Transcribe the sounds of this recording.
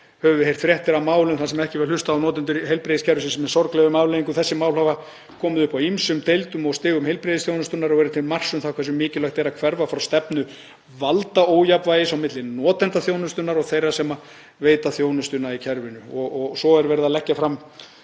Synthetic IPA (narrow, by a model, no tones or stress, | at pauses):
hœvʏɦejr̥t̪fɾjɛht̪ɪɾamaːwlʏnθansɛmaɛhcɪvɛɾlʏst̪aːwnɔːt̪ɛnt̪̬ʏɾɦejlpɾejðɪscʰɛɾvʏsɪnsɛmɛsɔɾklɛɣʏmawlejiŋkʏθɛsːɪmaːwlhava | kʰɔːmʏðʏhpawimsʏmt̪ejlt̪ʏmɔɣst̪ɪːɣʏmhejlpɾeðɪsθjownʏst̪ʏnaɾɔɣɛɾʏt̪ʰɪlmar̥sʏmθawkʰvɛɾsʏmːɪːcɪlaxt̪ɛɾakʰvɛɾvafɾawst̪ɛpnʏ | valt̪aoːwjapvajɪsawmɪt̪lɪnɔːt̪ɛnt̪aθjownʏst̪ʏnaɾɔɣθejrːasɛma | veːjt̪aθjoːwnʏst̪ʏnaicʰɛɾvɪnʏɔɣɔɣsɔɛɾvɛːɾɪðalɛhcːafɾam